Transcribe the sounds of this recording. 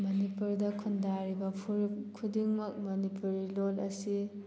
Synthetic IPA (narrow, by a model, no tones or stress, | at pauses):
mɐnipuɾdɐkʰundaɾibɐpʰuɾkʰudiŋmɐk̚mɐnipuɾilolɐsi